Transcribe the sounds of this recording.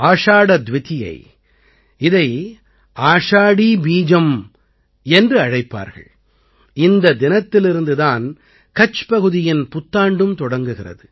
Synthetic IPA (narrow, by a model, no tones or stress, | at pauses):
aːʂaːɽɐd̪ʋɪt̪ɪjɐ̰ɪ | ɪðɐɪ | aːʂaːɽibiːd͡ʒɐm | ɛndrɯɐɻɐɪpːa̰ːɾɣɐ̰ɭ | ɪnd̪ɐd̪ɪnɐt̪ːɪlɪɾɯnd̪ɯðaːn | kɐt͡ʃpɐɣɯðɪjɪnpʊt̪ːaːɳɖɯmt̪ɔɽɐŋɡɯɣɪrɐ̰ðɯ